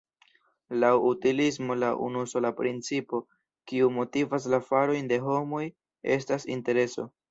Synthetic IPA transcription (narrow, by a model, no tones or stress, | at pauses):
lawutilis̬mo̞laʔṵnuso̞lapɾint͡sipo̞ | kiumo̞tivas̬lafaɾo̞jnde̞ɦo̞mo̞j | e̞s̬tasḭnte̞ɾe̞so̞̰